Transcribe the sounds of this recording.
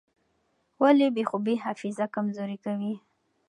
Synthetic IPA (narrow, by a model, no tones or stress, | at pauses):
walebexobeɦafɪzakamzoɾikawi